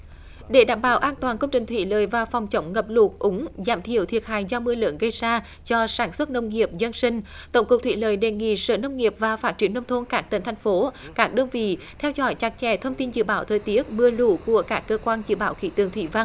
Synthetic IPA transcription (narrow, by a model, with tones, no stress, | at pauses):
ɗe˧˩ɗa̰ː˧˩mɓa̰ː˧˩wʔaː˧nt̪waː˨˩nkə˧wŋ͡mt͡ɕï˨˩ŋ̟t̪ʰwḭ˧˩ləː˨˩jvaː˨˩fɔ˨˩wŋ͡mt͡ɕə˨˦wŋ͡mŋə˨˩p̚lu˨˩k̚ʔʊ˨˦ŋ͡mzaː˧˩mt̪ʰi˧˩əwt̪ʰi˨˩ət̚haː˧˨jzɔ˧mɨ˧əlɨ̰ː˧˥nɣə˧jzaː˧ | t͡ɕɔ˧saː˧˩nswə˦˥t̚nə˧wŋ͡mŋi˨˩əp̚zə˧nsï˧ŋ̟t̪ə˧˩wŋ͡mkʊ˨˩k̚t̪ʰi˧˨ləː˨˩jɗe˨˩ŋḭ˧˨sə̰ː˧˩nə˧wŋ͡mŋi˨˩əp̚vaː˨˩faː˦˥t̚t͡ɕi˧˩ənə˧wŋ͡mt̪ʰo˧nkaː˦˥k̚t̪ə˨˦n̟t̪ʰjŋ̟fo˨˦kaː˦˥k̚ɗəː˧nvḭ˧˨ | t̪ʰɛ˧wzɔ̰˧˦jt͡ɕa˨˩k̚t͡ɕɛ̰˧˩t̪ʰə˧wŋ͡mt̪i˧nzɨ̰˧˨ɓaː˧˦wt̪ʰəː˨˩jt̪i˨˦˥ət̚mɨ˧əlṵ˧˩ku˧˩əkaː˦˥kːəː˧kwaː˧nzɨ̰˧˩ɓaː˧˦wxḭ˧˩˥t̪ɨ˨˩əŋt̪ʰi˧˩va˧ŋ